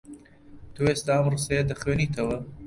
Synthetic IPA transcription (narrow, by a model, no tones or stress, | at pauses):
t̪ʰuwest̪aɐmrɨsejɐd̪ɐxweːniːt̪ʰɐwɐ